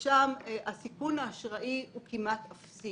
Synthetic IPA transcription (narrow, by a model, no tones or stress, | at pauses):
ʃamʔasikunaːʃʁaʔiukimatafsi